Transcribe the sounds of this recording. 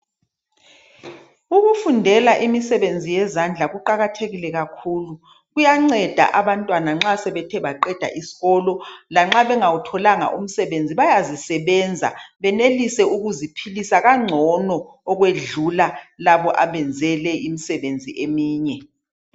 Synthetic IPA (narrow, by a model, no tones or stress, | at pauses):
uɣufundʱɛlaʔimisɛβend͡zʱijɛzand͡ɮʱaɣuǃaɣatʰeɣilɛɣakʰuːlu | ɣujaŋ͡ǀɛd̥ʱa̰ʔaβantʼwanaŋ͡ǁasɛβɛtʰɛβaǃɛd̥ʱa̰ʔisi̥ɣɔlɔlaŋ͡ǁaβɛŋawutʰɔlaŋa̰ʔum̩sɛβend͡zʱiβajazisɛβɛnd͡zʱa̰βɛnelisɛuɣuzipʰilisaɣaŋ͡ǁʱɔnɔ | ɔɣweɮulalaβɔʔaβɛnd͡zʱɛlɛimisɛβend͡zʱiʔemiːɲɛ